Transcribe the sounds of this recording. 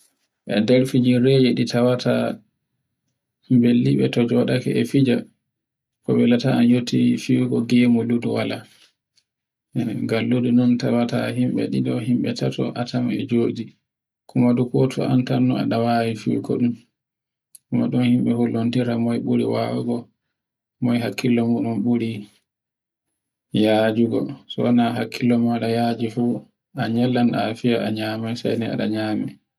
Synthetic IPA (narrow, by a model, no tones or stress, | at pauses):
ʔɛdɛɾfid͡ʒinɾed͡ʒɛɗitawatʰa | mbelːiɓɛtɔd͡ʒɔɗakɛ̰ʔɛfid͡ʒa | kɔɓɛlataanjotʰːifiɾɡɔɡɛmɔluduwala | ɡalːudunɔntawataɦimɓɛ̰ɗidɔɦimɓɛtatɔ̰ʔatamɛ̰d͡ʒoːdi | kʰumadukɔtʰɔ̰antanːua̰ɗawawifḭkɔ̰ɗum | kumaɗunhimɓɛholːontiɾamɔjɓuɾiwa̰waɡɔ | mɔjɦakʰːilːɔmuɗɔnɓuɾi | jad͡ʒuɡɔ̰sɔ̰anaɦakʰːilːɔmaɗajad͡ʒifu | aɲɛlːanafijaʔaɲaːmajsa̰jnɛa̰ɗaɲaːmɛ